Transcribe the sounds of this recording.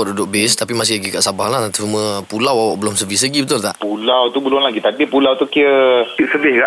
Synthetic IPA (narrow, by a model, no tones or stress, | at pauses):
adudʊʔ̚best̪apimas̬ɪhlaɡikaʔsabaɦlahnat̪it͡ʃumə̃pulawawaʔbəlʊmsəvisaɡibət̪ʊlt̪aʔpulawt̪ubəlʊnlaɡit̪adipulawt̪ukiəiʔsəbɪhɡaʔ